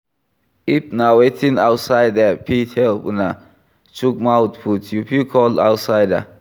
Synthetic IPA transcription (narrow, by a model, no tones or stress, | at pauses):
ipnawetʰĩnawtsajdɛpʰithɛlpna | t͡ʃuk̚mawtfutjupʰikʰɔla̰wtsajda̰